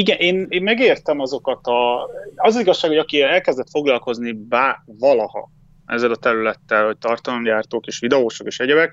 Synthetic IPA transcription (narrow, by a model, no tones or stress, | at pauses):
iɡɛnʔeːneːmmɛɡeːrt̪ɛmɒzo̞kɒt̪ɒɒzɒziɡɒʃːaːkhoɒkiɛlkɛzd̪ɛt̪fo̞ɡlɒlko̞znibaːvɒlɒhɒ̰ | ɛ̰zːɛlɒt̪ɛɾylɛt̪ːɛlho̞c̚t̪ɒrt̪ɒlomjaːrt̪oːkeːʃʋid̪ɛoːʃokeːʃɛɟɛbɛk